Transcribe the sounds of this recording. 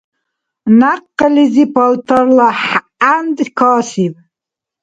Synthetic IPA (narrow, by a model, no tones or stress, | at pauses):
naqːəlizipʰalt̪ʰarlaħ | and̪ʼkʰɑːsipʼ